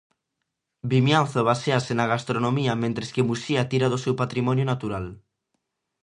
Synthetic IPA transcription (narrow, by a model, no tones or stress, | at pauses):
bimjãnθoβaseasenaɣast̪ɾonõmiamẽnt̪ɾeskemusiat̪iɾaðosewpat̪ɾimɔ̃njonat̪uɾal